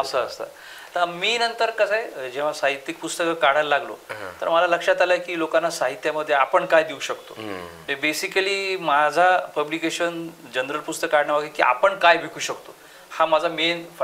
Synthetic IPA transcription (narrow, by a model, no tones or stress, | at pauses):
əsəəst̪a̰ | t̪əɾmiːnənt̪əɾkəsaɦed͡ʑẽʋ̤asaɦit̪ːik̚pust̪əkəkaɽ̤allaɡlo̰t̪ə̰ɾməlaləkʂat̪alajkiːlokanːasaɦit̪jaməd̪ʱːjeapəɳkajd̪iuɕəkt̪omebesikəliːmad͡zʱapəblikeɕənd͡ʑənɾəlpust̪əkːaɽɳjaʋaɡikḭːʔa̰pəɳkajbʱikʰuːɕəkt̪o | hamad͡zʱamenf